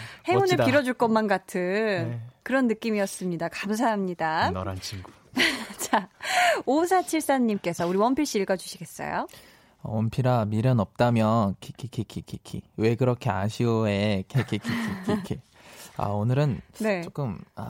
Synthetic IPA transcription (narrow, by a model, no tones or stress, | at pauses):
he̞onɯɭpiɾʌd͡ʑuɭk͈ʌnmanɡatʰɯnkɯɾʌnːɯk͈imijʌs͈ɯmɲidakams̬ʰaɦamɲidanɾant͡ɕʰiŋɡu | t͡ɕa | osʰat͡ɕʰiɭs͈aɲːimk͈e̞sʰʌuɾiwʌmpʰiɭɕ͈iiɭɡʌd͡ʑuɕʰiɡe̞s͈ʌ̰jo̰ | ʌwʌmpʰiɾamiɾjʌnʌp̚t͈amjʌnkʰikʰikʰikʰikʰikʰḭwe̞ɡɯɾʌkʰe̞aɕʰioe̞kʰkʰikʰikʰikʰikʰia̰onɯɾɯnne̞t͡ɕok͈ɯma̰